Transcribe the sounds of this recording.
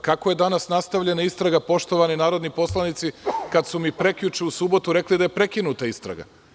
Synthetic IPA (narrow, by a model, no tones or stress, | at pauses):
kakoje̞d̪anasnast̪aʋʎe̞naist̪ɾaɡapo̞ʃt̪o̞ʋaninaːɾo̞d̪nipo̞slˠanit̪sikad̪sumipɾe̞kʎut͡ʃɛusubo̞t̪uɾe̞klid̪ajepɾe̞kinut̪aist̪ɾa̰ɡa̰